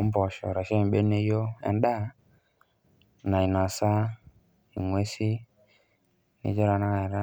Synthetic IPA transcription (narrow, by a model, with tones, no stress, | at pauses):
ɔ˦m˦bɔ˨ʃɔ̰˨ɾa˨ʃɛ˦˨ɓe˦ne˦jo˦ɛ̰˨n˦da˦ | na˨i˨na˨sa˦ | i˨ŋwe˦si˦ | nḭ˨˦d͡ʒɔ˦ɾa˨na˦na˨ɾa˦